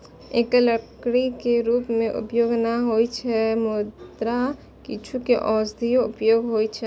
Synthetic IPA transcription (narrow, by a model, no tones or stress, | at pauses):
ekləkɽikeɾupmeʔṵpjoɡnaɦojt͡ʃʰɛmod̪ɾa | kit͡ʃʰukeʔɔsd̪ʱioupjoɡɦojt͡ʃʰɛ